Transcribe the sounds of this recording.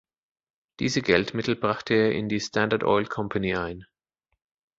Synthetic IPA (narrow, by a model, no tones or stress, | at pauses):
d̥iːzəɡɛltmɪtl̩bʁaχtʰəeːɐʔɪ̰ndiːstʰandɐdʔɔ̰ɪlkʰɔmpʰaniːʔaɪn